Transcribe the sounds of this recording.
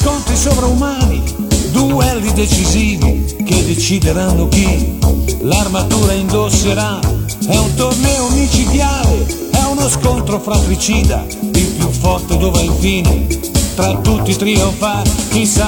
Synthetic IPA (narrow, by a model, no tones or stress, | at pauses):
kɔnt̪ɾisopɾaumaːnid̪uɛlːid̪et͡ʃiziːvḭk̟ed̪ːet͡ʃid̪eɾanːʊk̟i | larmat̪uːɾaind̪oseɾaɛunt̪ornɛomit͡ʃid̪jaːlɪ | ɛunoskont̪ɾofɾat̪ɾit͡ʃiːd̪a̰ | ilpjufːɔrt̪ed̪ɔːvaiɱfiːnɪ̰t̪ɾat̪ːut̪ːit̪ɾioɱfak̟isa